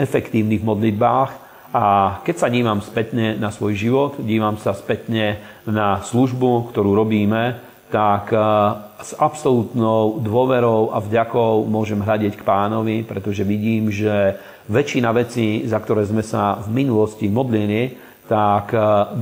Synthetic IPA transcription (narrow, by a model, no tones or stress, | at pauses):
ɛfɛkt̪iːʊniɦmɔd̪lid̪̚baːx | akɛcsaɲiːʋamspɛt̪ɲɛnasʋɔjʒiʋɔt̪ɟiːʋamsaspɛt̪ɲɛ | nasluʒbukt̪ɔɾuːɾɔbiːmɛ | t̪ak | z̥apsɔlut̪nɔʊd̪ʊɔʋɛɾɔʊʔa̰vɟakɔʊmʊɔʒɛmɦlaɟɪɛckpaːnɔʋipɾɛt̪ɔʒɛʋiɟiːmʒɛ | ʋɛt͡ʃinaʋɛt͡sizakt̪ɔɾɛːzmɛsavminulɔscimɔd̪lili | t̪ak